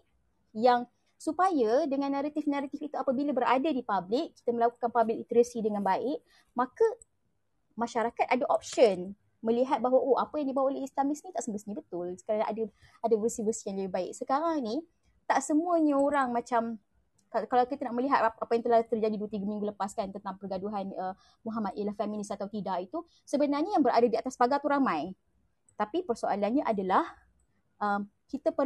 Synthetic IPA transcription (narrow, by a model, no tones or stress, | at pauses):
jaŋ | supajadəŋãnːaɾat̪ifnaɾat̪ifit̪uapabilabəɾa̰dadipablɪkːi̥t̪əməlaku̥kanpablɪk̚it̪əɾəsidəŋanbaɪʔ̚ | makə | maʃaɾakat̪̚adaʔɔp̚ʃən | mə̃liɦat̪̚baɦwaʔoapajaŋdibawaʔoleislamisnit̪aʔsəmbəsɲəbət̪ʊlsə̥kaɾaŋaʔada | adavərsivərsijaŋləbɪhbaɪ̰k̚səkaɾaŋni | t̪aʔsəmuəɲəoɾaŋmãt͡ʃam | kakalawkit̪ənaʔməliɦat̪̚aapajaŋt̪əlat̪ərd͡ʒadiduət̪iɡəmĩŋɡuləpaskant̪ənt̪aŋpərɡaduɦanə | muɦamat̪̚jəlahfɛmĩnɪsat̪awt̪idaʔit̪u | səbənarɲəjaŋbəɾa̰dadiat̪aspaɡat̪uɾamãj | t̪apipərsoʔa̰lanɲaʔadalah | ʔəm | kit̪əpə